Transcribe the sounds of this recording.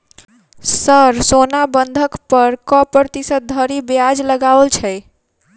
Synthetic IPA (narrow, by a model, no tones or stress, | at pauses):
səɾsonabənd̪ʱəkpəɾkɔpɾɾt̪isət̪̚d̪ʱəɾibjad͡ʒləɡalt͡ʃʰɛɪ